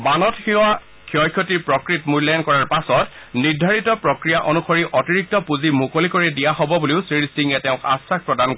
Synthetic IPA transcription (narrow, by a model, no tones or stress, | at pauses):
banɔtxia | kʰiɔjkʰjɔtiɹpɹɔkɹitmulɔjɔnkɔɹaɹpasɔt | niɹdʱaɹitɔpɹɔkɹijaʔɔnuxɔɹiʔɔtiɹik̚tɔpuzimukolikoɹɛdijaɦɔbɔbuliʊsɹiɹisdiŋɛtɛʊ̃ka̰sak̚pɹɔdankɔ